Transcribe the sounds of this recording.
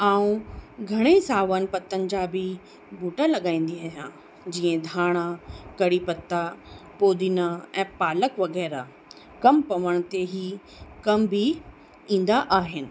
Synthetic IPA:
aːũɡʱɐɽ̃esaːʋənɪ̆pɐt̪ːənɪ̆d͡ʑaːbɪ | bʱuːʈalɐɠãːĩːn̆d̪iaːɦjãː | d͡ʑiːə̃d̪ʱaːɽ̃akɐɽipɐt̪ːapoːd̪inaɛ̃ːpaːləkʋɐɣɛːɾa | kɐmpɐʋəɽ̃t̪eɦi | kɐmbɪ | ĩːn̆d̪aʔaːɦɪnɪ̆

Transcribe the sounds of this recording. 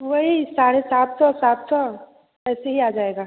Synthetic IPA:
ʋɐɦisaːɾesaːt̪sɔ̃saːt̪sɔ̃ | ɛːseɦiaːd͡ʒaːeːɡaː

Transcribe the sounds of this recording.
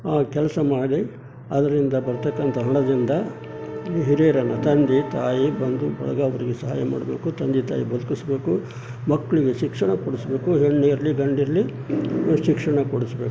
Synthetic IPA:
aːkɛlɐsɐmaːɽi | ɐd̪ɐɾind̪ɐbɐɾt̪ɐkːɐnt̪ʰɐɦɐɳɐd̪ind̪ɐ | ɦiɾeːɾɐnːɐt̪ɐnd̪it̪aːjibɐnd̪ubɐ̰ɭɐ̰ɡɐːʋɐɾiɡesɐɦaːjɐma̰ːɽɐbe̞ːkut̪ɐnd̪it̪a̰ːjibɐd̪ukisbe̞ːku | mɐkːɐɭiɡe̞ʃikʂɐɳɐkoɽisbe̞ːkuɦeɳːeɾɐliɡɐɳɖiɾɐli | ʃikʂɐɳɐkoɽusbe̞ːku̥

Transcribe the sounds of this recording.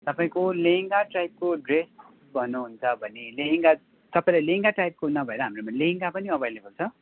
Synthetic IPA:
t̪ʌpaĩkoleŋɡaʈrajp̚koɖres | bʱʌnːuɦunt͡sʰʌbʱʌneleŋɡa | t̪ʌpãĩlajleŋɡaʈrajp̚konʌbʱʌeɾʌɦamromalẽŋɡapʌniʌbʱejlebʱʌlt͡sʰʌ

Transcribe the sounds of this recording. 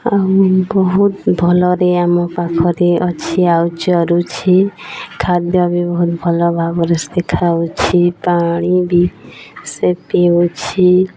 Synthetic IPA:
aubɔɦut̪bʱɔlɔɾeamɔpakʰɔɾeɔt͡ʃʰiawd͡ʒɔɾut͡ʃʰikʰad̪̚babibɔɦut̪bʱɔlɔbʱabɔɾesd̪ekʰawt͡ʃʰipaɽ̃ibisepeut͡ʃʰi

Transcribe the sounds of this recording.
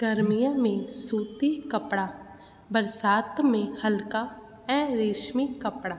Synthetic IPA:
ɡəɾmijãːmẽsuːt̪iːkəpɽaː | bəɾsaːt̪mẽhəlkaː | ɛ̃ːɾeːʃmikəpɽaː

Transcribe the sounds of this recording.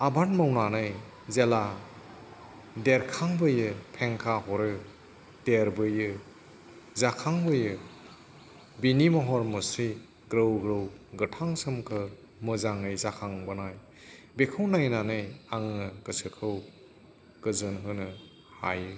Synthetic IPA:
abanmawnanɯj | zela | deɾkʰaŋbɯjɯpʰeŋkʰaɦɔɾɯ | deɾbɯjɯ | zakʰaŋbɯjɯ | binimɔɦɔɾmɯsi | ɡɾɯwɡɾɯwɡɯtʰaŋsɯmkʰɯ | mɯzaŋɯjzakʰaŋbɯnaj | bekʰɯwnajnanɯjaŋɯɡɯsɯkʰɯw | ɡ̥ɯzɯnɦɯnɯ | ha̰jɯ

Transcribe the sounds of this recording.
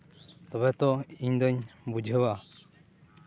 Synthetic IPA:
t̪ɔβɛt̪ɔiɲd̪ɔɲbud͡ʒʱəba

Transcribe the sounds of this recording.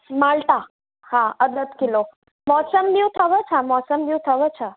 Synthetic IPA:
malt̪a | hãəd̪ət̪kilo | mɔsəmbiwt̪ʰəʋət͡ʃʰamɔsəmbjiuwt̪ʰəʋət͡ʃʰə

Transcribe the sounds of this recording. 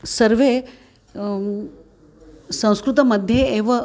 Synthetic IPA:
səɾʋe | sɐ̃w̃skɾut̪ɐməd̪ʱjeːʋə

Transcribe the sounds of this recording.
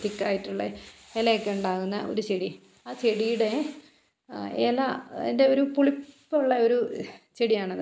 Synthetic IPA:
t̪ikːaːjiʈːuɭːɐ̰elɐkʲːeuɳɖaːɣunːɐʔo̞̰ɾut͡ɕeɽi | aːt͡ɕeɽijuɽe̞ | ḛlɐḛnde̞o̞ɾupuɭipːuɭːɐo̞ɾut͡ɕeɽijaːɳɐðɨ

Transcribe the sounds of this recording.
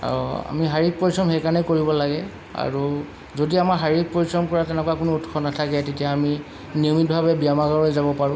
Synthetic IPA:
a̰ɹua̰miɦaɹik̚poɹisɹɔmɦɛjkanɛkoɹibɔlaɡɛ | a̰ɹu | zodiamaɹɦaɹik̚poɹisɔmkɔɹatɛnɛkwakʊnʊutkʰɔnatʰakɛtetiaːmi | niɔmit̚bʱabɛbiamaɡaɹojzabɔpaɹʊ̃

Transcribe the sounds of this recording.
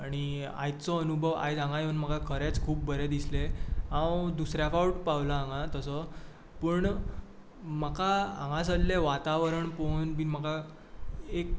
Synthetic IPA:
aɽ̃i | a̰jt͡sɔənubʱəʋa̰jt͡sãŋɡajewnm̤əkakʰəɾɛt͡skʰuːp̚bəɾed̪isleɦãwd̪usɾjafawʈpawlaãŋɡat̪əsɔ | pəɳ | məkaã̰ŋɡãs̬əlleʋat̪aʋɾəɳponbinm̤əka | ek

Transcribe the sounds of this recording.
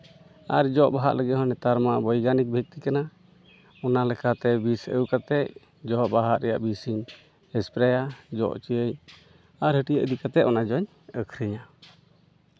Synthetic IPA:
aɾd͡ʒɔʔbaɦaʔləɡit̪hɔnɛt̪aɾmaʔbɔjɡanik̚bʱək̚t̪ikana | ɔnalɛkat̪ɛbisə̰wkat̪ɛʔ | d͡ʒɔʔbaɦaʔɾɛja̰ʔbisiɲ | hɛspɾɛjad͡ʒɔ̰ʔt͡ʃijəɲ | aɾɦəʈijəʔd̪ikat̪ɛɔnad͡ʒɔɲ | əkʰɾiɲa

